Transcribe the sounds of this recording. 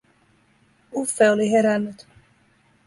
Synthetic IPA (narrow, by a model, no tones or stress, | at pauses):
ufːeoliɦeɾænːyt̪